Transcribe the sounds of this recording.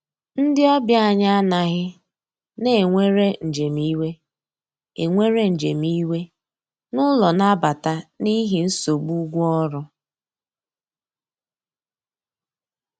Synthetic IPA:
n̩˦dɪ˦ɔ˦bja˦a˨ɲa˦a˦na˨ɣɪ˦ | ne˦˨ŋʷe˦ɾe˦n̩˨d͡ʒe˨m̩i˦we˦ | e˨ŋʷe˦ɾe˦n̩˨d͡ʒe˨mi˦we˦ | nʊ˦lɔ˨na˦ba˨ta˦ni˦ɦi˨n̩˦so˨ɡ͡bu˦ɡʷu˦ɔ˦ɾʊ˦

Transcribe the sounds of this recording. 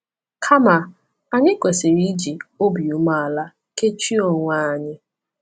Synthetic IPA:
kʰa˦ma˨ | a˨ɲɪ˦kʷe˨sɪ˨ɾi˦d͡ʒi˨o˦bi˨u˦ma˨a˨la˦ | ke˦t͡ʃi˦o˨ŋʷa˦a˨ɲɪ˦

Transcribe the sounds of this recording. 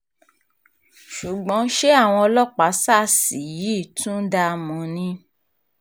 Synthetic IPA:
ʃu˨ɡ͡bɔ̃˨˦ʃe˦a˦˨w̃ɔ̃˧ɔ˧lɔ˦˨k͡pa˨˦sa˦˨si˨ji˨˦˨tũ˦da˧mɔ̃˨˦nĩ˧˦

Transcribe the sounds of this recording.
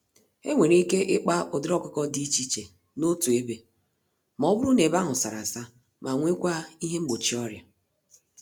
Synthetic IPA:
e˦ŋʷe˨ɾi˦ke˦ʔɪ˦k͡pa˦ʊ˨dɪ˦ɾɔ˦kʷʊ˦kɔ˦di˦t͡ʃi˦t͡ʃe˨ | no˦tu˨e˦be˨ | mɔ˨˦bʊ˦ɾu˦ne˨ba˦ɦʊ˨sa˨ɾa˨sa˦ | ma˨ŋʷe˦kʷa˦i˦ɦe˦ŋ͡m̩˦ɡ͡bo˨t͡ʃi˦ɔ˦ɾja̰˨

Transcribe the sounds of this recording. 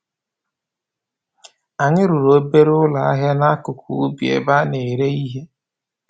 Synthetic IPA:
a˨ɲɪ˦ɾu˨ɾo˦be˦ɾʊ˦la˨a˦ɦja˦na˦a˦kʊ˨kʰṵ˨u˦bi˨˦ḛ˦ba˦ne˨ɾe˦i˦ɦe˦

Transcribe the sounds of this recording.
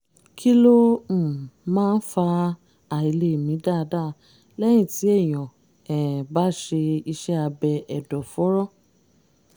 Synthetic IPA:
kʰi˦lõ˦˨ | mãː˦˧n̩˦fa˧ | a˨i˧le˧˨mĩ˨˦da˦˧˦da˦˨ | lɛ˦j̃ĩ˦˨ti˨˦ɛ˦˨j̃ɔ̃˨ | ɛ˨ba˦ʃe˧i˧ʃɛ˦a˧bɛ˧ɛ˨dɔ˨fɔ˨˦ɾɔ˦˨

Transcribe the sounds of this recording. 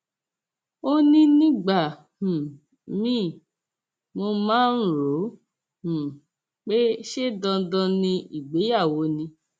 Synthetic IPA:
o˦nĩ˦nĩ˦ɡ͡ba˨ | hũ˨ | mĩ˦˨ | mo˧mãː˦n̩˦ɾo˨˦ | hũ˨ | k͡pe˦ʃe˦dɔ̃˧dɔ̃˧nĩ˧i˨ɡ͡be˨˦ja˦˨wo˨˦nĩ˧

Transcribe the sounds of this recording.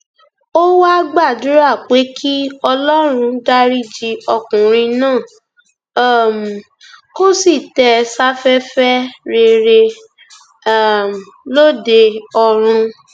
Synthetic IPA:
o˦wa˦ɡ͡ba˦˨du˨˦ɾa˦˨k͡pe˨˦kʰi˦ɔ˧lɔ˦ɾ̃ũ˧da˦ɾi˦d͡ʒi˧ɔ˧kũ˨ɾ̃ĩ˧nãː˦˨˦ | m˨ | ko˦si˦˨tɛ˧sa˦fɛ˦fɛ˦ɾe˧ɾe˧˨ | m˨lo˦de˧ɔ˧ɾ̃ũ˧

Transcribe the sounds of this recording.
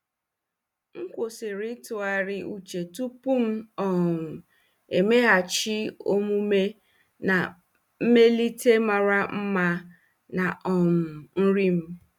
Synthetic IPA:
ŋ̩˦kʷo˨sɪ˨ɾɪ˦tʊ˨a˨ɾɪ˨u˨t͡ʃe˨tu˦pu˦m̩˦ɔ˨m̩˨ | e˨me˦ɦa˨t͡ʃɪ˦o˦mu˦me˦ | na˨ | m̩˦me˦li˦te˦ma˨ɾa˦m̩˦ma˦ | na˨ʔɔ˨m̩˨n̩˦ɾi˦m̩˦

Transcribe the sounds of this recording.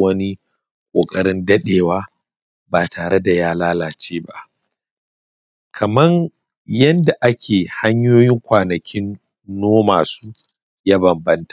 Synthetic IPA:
wɐ˦ni˦ | kʷʼoː˨kʼɐ˦ɾɽɪ˦ndɐ˦ɗeː˨waː˦ | baː˨tʰaː˨ɾe˦da˨jaː˦laː˦laː˨t͡ʃeː˦ba̰˦ʔ | kʰɐ˨mɐ˦ŋ | jɐ˦nda˨ʔa˦kʲʰeː˨ha˦ɲjoː˦jɪ˦ŋkʷaː˨nɐ˨kʲɪ˦nː | oː˦ma̰ː˨suː˦ | jaː˦bɐ˨mbɐ˦ntḁ˨

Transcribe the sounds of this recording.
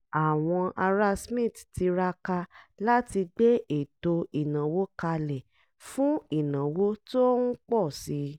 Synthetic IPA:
a˨w̃ɔ̃˧ʔa˧ɾa˧˦smĩ˦˨tti˨˧ɾa˧ka˧la˦ti˧de˦e˨to˧i˨nã˨wo˦ka˧lɛ˨ | fũ˦i˦˨nã˨wo˦to˦n̩˦k͡pɔ˦˨si˨˦

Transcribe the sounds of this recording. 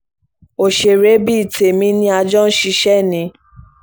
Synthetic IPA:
o˨ʃe˨ɾe˨˦bi˦i˨te˨mĩ˧˦nĩ˦a˧d͡ʒɔ̃˦ʃi˧˦ʃɛ˦˨nĩ˧˦

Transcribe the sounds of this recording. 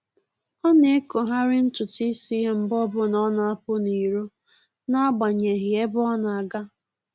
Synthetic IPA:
ɔ˦ne˦e˦ko˨ɦa˦ɾɪ˦n̩˦tʊ˨ti˦si˦m̩˨bɔ˦bʊ˦nɔ˦na˦a˦pʊ˦ni˨ɾu˦ | na˦a˦ɡ͡ba˨ɲe˨ɦɪ˨e˦bʊ˦ɔ˦na˨a˨ɡa˦

